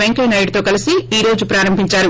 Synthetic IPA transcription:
eŋkɐjnɐjɖt̪o̞ːkɐlisiiːɾo̞ːd͡ʒupɾaːɾɐmbʱiɲt͡ʃaːɾu

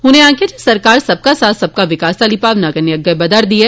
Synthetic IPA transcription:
ɦʊnẽãːked͡ʒesɐɾkaːɾsɐb̚kasaːt̪ʰsɐb̚kaʋɪkaːst̪alipaːʋnakɐneɐɡɐbɐd̪aɾd̪ie

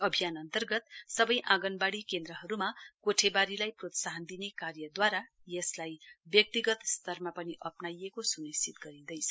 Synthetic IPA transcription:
ʌbʱijanʌnt̪ʌrɡʌt̪sʌbʌjʔãɡʌnbaɽikend̪rʌɦʌɾumakoʈʰebaɾilajprot̪saɦʌnd̪inekarjʌd̪waɾa | jʌslajbjʌk̚t̪iɡʌt̪st̪ʌrmapʌniʔʌpnajekosunist͡ʃit̪̚ɡʌɾid̪ʌjt͡sʰʌ

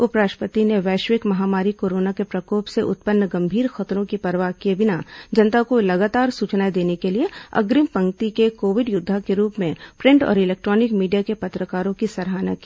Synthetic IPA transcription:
ʊpɾaːʃpət̪ineʋɛːʃʋɪkmɐɦaːmaːɾikoːɾoːnakepɾɐkoːpseʔʊ̰t̪̚pənːɡɐ̃mbʱiːɾxɐt̪ɾõkipɐɾʋaːɦkiebɪnad͡ʒɐnt̪akolɐɡaːt̪aːɾsuːt͡ʃnaid̪eːnekelieɐ̰ɡɾɪmpɐ̃ŋkt̪ikekoːʋɪɖjʊd̪ʱːakeɾuːpmẽpɾɛ̃ɳʈɔ̰ːɾɪlɛːk̚ʈɾɔːnɪkmiːɖijakepɐt̪ɾəkaːɾõkisɐɾɦaːna̰ki̥ː

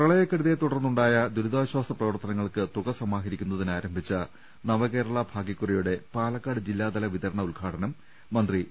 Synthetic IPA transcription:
prɐɭɐjɐkːɐɽuðet̪uɽɐrnːuɳɖaːjɐd̪uɾuðaːɕwaːst̪ɐprɐʋɐrt̪ɐnɐŋːɐɭkɨt̪uɣɐsɐmaːɦɐɾikʲːunːɐðinaːɾɐmbʱit͡ɕːɐ | nɐʋɐke̞ːɾɐɭɐbʱaːɡikːurɐjuɽe̞paːlɐkːaːɽɨd͡ʑilːaːd̪ɐlɐʋiðɐɾɐɳɐulɡʱaːʈɐnɐmː | ɐnd̪ri

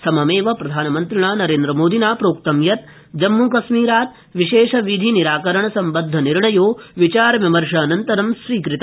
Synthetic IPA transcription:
sɐmɐmeːʋɐpɾɐd̪ʱaːnɐmɐnt̪ɾiɳ̃aːnɐɾeːnd̪ɾɐmoːd̪ʱinaːpɾoːk̚t̪ɐmjɐt̪̚ | d͡ʒɐmːukɐʃmiːɾaːt̪ | ʋiʃeːʃɐʋid̪ʱiniɾaːkɐɾɐɳ̃ɐsɐmbɐnd̪ʱːɐniɾɳɐjoːʋit͡ʃaːɾʋimɐɾʂɐːnɐnt̪ɐɾɐmsɾiːkɾɪt̪

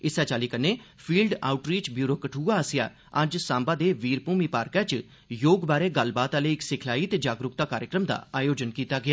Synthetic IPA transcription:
ɪsɛːt͡ʃaːliːkəneːpʰiːlɖa̰ːʊʈɾiːt͡ʃbjuːɾoːkəʈʰuːaːsɪja̰ː | əd͡ʒsãːmbaːd̪eːʋiːɾpuːmiːpaːɾkɛ̃ːt͡ʃ | joːɡbaːɾeːɡəlbaːt̪aːleːɪksɪkʰlaːiːt̪eːd͡ʒaːɡɾʊkt̪aːkaːɾjəkɾəmd̪a̰ːaːjoːd͡ʒənkiːt̪aːɡɪjaː

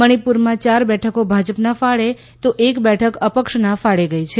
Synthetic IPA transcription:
məɽ̃ipuɾmãt͡ʃaɾbɛʈʰəkobʱad͡ʒəpnafaɭe | t̪oʔekbɛʈʰəkəpəkʃnafaɭeɡəjt͡ʃʰe

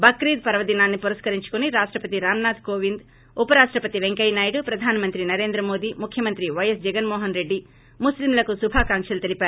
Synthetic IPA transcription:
bɐkɾiːd̪̚pɐɾʋɐd̪inaːnːipuɾɐskɐɾiɲt͡ʃu̥kuniɾaːʂʈɾɐpɐt̪iɾaːmnaːd̪koːʋind̪ | upɐɾaːʂʈɾɐpɐt̪iʋeŋkɐjnaːjɽupɾɐd̪ʱaːnɐmɐnt̪ɾinɐɾe̞ːnd̪ɾɐmoːd̪imukʰjɐmɐnt̪ɾiʋɐjɐsd͡ʒɛɡɐnmɔːɦɐnɾeɖːi | muslimlɐkusubʱaːkaːŋkʂɐlut̪elipæːɾu

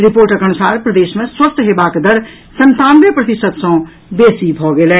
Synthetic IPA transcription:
ɾipoːɾʈəkəñusaːɾpɾəd̪eːʃmẽswəst̪ʰɦebakd̪əɾ | sənt̪ãːmbjəpɾət̪isəd̪sə̃ | besibʱɔɡelɛ

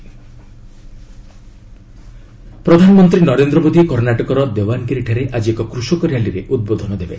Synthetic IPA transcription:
pɾɔd̪ʱanɔmɔnt̪ɾinɔɾend̪ɾɔmod̪ʱikɔɾnaʈɔkɔɾɔd̪ewankiɾiʈʰaɾeʔad͡ʒiekɔkɾuʃɔkɔɾjaliɾeʔud̪̚bod̪ʱɔnɔd̪ebe

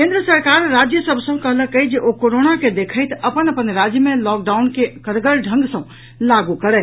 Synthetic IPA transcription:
kend̪ɾəsəɾkaɾːad͡ʒjəsəbʱsə̃kəɦləkəjd͡ʒeʔokoɾonaked̪ekʰəɪt̪əpənəpənɾad͡ʒjəmelɔk̚ɖaunkekəɾɡəlɖʱə̃ŋɡsə̃ | laɡukəɾɛt̪

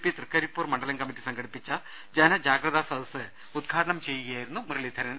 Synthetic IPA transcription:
pːit̪rɨkːɐɾipːuːrmɐɳɖɐlɐnkɐmːitːisɐŋɡɐɽipːit͡ɕːɐ | d͡ʑenɐd͡ʑaːɡɾɐðasɐd̪ʱɐsɨ | ud̪̚ɡʰʱaːd̪ɐɳɐmt͡ɕe̞jːuɣɐjaːjiɾunːumrɨɭid̪ʱɐɾɐnn

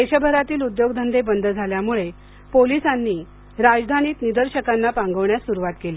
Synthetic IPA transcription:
eɕəbʱəɾat̪iːlud̪joɡd̪ʱənd̪ebənd̪ʱəd͡zʱaljamuɭe | polisanːiː | ɾad͡zd̪ʱaniːt̪nid̪əɾɕəkanːapãŋɡəʋɳjasuɾuʋat̪keli

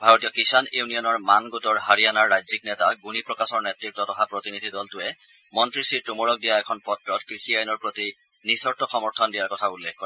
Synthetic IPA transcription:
bʱaɹɔtijɔkisanunijɔnɔɹmanɡotɔɹɦaɹijanaɹːajziknɛtaɡunipɹɔkasɔɹnɛtɹip̚tːɔtɔxapɹotinidʱidɔltʊɛ | mɔntɹisiɹtumɔɹɔk̚dijaɛkʰɔnpɔtɹɔtkɹixiajnɔɹpɹoti | nisɔɹtɔxɔmɔɹtʰɔndijaɹkɔtʰaulːekʰkɔɹɛɛ

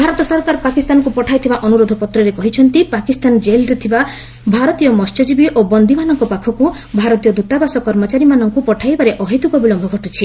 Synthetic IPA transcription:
bʱaɾɔt̪ɔsɔɾkaɾpakist̪anɔkupɔʈʰajt̪ʰibaʔɔnuɾod̪ʱɔpɔt̪ɾɔɾekɔɦit͡ʃʰɔnt̪ipakist̪and͡ʒelɾet̪ʰiba | bʱaɾɔt̪ijɔmɔst͡ʃɔd͡ʒibiʔobɔnd̪ʱimanɔŋkɔpakʰɔku | bʱaɾɔt̪ijɔd̪ut̪abasɔkɔɾmɔt͡ʃaɾimanɔŋkupɔʈʰajbaɾeʔɔɦit̪ukɔbilɔmbʱɔɡʱɔʈut͡ʃʰi

